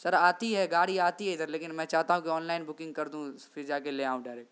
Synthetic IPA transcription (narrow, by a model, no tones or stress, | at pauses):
sɐɾaːt̪iɦɛɡaːɽiaːt̪iɦɛɪsɐɾleːkɪnmɛ̃t͡ʃaːɦt̪aɦũkiɔːnlaːɪnbʊkɪ̃ŋɡkɐɾd̪ũ | fɪɾd͡ʒaːkeleãːũɖaːɪɾeːkʈ